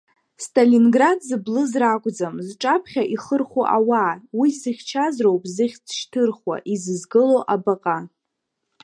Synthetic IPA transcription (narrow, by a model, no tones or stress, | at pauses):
stʼalinɡradzɨblɨzrakʷʼd͡zamzʈ͡ʂʼapʰχʲaʔiχərχoʔawaːwizɨχʲt͡ʃʰazrowpʼzɨχʲt͡sʰʃtʰɨrχwa̰ʔizɨzɡɨlowʔabaqʼa